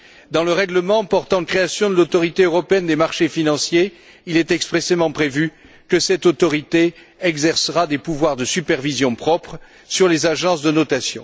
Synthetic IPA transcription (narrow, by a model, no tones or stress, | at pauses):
d̪ɑ̃ləʁɛɡləmɑ̃pɔʁt̪ɑ̃nkχeasjɔ̃d̪əlot̪ɔʁit̪eøʁɔpeɛnd̪emaʁʃefinɑ̃sje | ilɛt̪ɛkspχesemɑ̃pχevy | kəsɛt̪ot̪ɔʁit̪e | ɛɡzɛʁsəʁad̪epuvwaʁd̪əsypɛʁvizjɔ̃pχɔpχ | syʁlezaʒɑ̃s̬d̪ənɔt̪asjɔ̰̃